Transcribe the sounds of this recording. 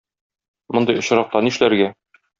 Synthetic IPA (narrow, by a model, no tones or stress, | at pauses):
mŏnd̪ɤjŏɕ̆ɾɑq̚t̪ɑniʃlæɾɡæ